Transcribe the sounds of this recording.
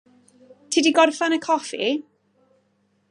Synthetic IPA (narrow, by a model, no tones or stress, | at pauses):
tʰiːdiɡɔrfanəkʰɔfi